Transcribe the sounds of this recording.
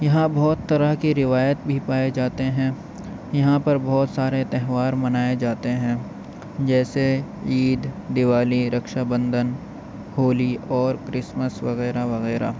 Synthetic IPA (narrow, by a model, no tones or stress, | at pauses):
jɐɦãbɔːt̪ːɐɾəɦkiɾɪʋaːjət̪bʱipaːed͡ʒaːt̪eɦɛ̃ | jɐɦãpɐɾbɔːt̪saːɾet̪ɛɦʋaːɾmɐnaːed͡ʒaːt̪eɦɛ̃ | d͡ʒɛːse | iːd̪d̪ɪʋaːliɾɐkʃabə̃nd̪ʱən | hoːliɔːɾkɾɪsməsʋɐɣɛːɾaʋɐɣɛːɾa̰